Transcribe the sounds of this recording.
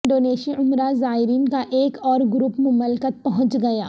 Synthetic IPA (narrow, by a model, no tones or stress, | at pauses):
ɳɖoːneːʃiʊmɾazaːɦɪɾiːnkaʔeːkɔːɾɡɾuːpmʊməlkət̪̚pɐɦʊ̃ɲt͡ʃɡɐjaː